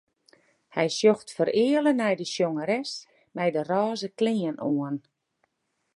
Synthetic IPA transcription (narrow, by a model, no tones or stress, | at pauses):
hɛjsjoxtfəɾɪələnɛjdəsjoŋəɾɛs | mɛjdərɔːzəkliənʔuən